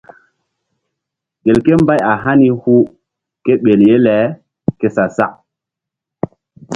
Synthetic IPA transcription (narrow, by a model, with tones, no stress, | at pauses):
ɡe˨lke˦mba˦ja˨ɦa˦ni˦hu˦ | ke˦ɓe˨lje˦lɛ˨˦ | ke˦sa˨sa˦ʔ